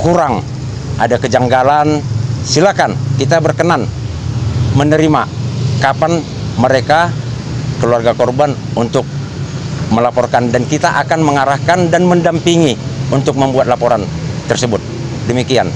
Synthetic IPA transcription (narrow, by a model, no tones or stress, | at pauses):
kuɾaŋ | ʔa̰dakəd͡ʒaŋɡalansilakankit̪abərkənan | mənəɾimakapan | məɾeka | kəluarɡakɔrbanunt̪ʊk̚ | məlapɔrkandankit̪aʔakanməŋaɾahkandanməndampiŋiunt̪ʊk̚məmbuat̪̚lapɔɾant̪ərsəbʊt̪̚ | dəmikia̰n